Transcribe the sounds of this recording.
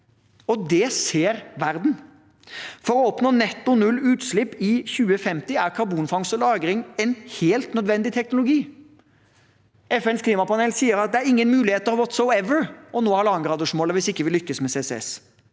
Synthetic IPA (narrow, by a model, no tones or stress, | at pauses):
ɔd̪ɛseːɾʋæɾd̪n̩ | fɔɾɔɔpnoːnɛt̪ːʊnʉlːʉːt̪ʂlɪpːɪçʉːəfɛmt̪ɪæɾkʰɑɾbuːnfɑŋsɔlɑːɡɾɪŋɛnheːlt̪nœd̪ʋɛnd̪ɪt̪ʰɛknʊlʊɡiː | ɛfɛnskʰliːmɑpɑnɛlsiːəɾɑt̪̚d̪ɛæɾɪŋːənmʉːlɪheːt̪ːəɑʋɔt̪sɔʊɛʋəɹʔɔnoːhɑɾlɑːŋɡɾɑːd̪əʂmoːləʋɪsɪkːəʋɪlʏkːəsmɛseːsɛɛ̰s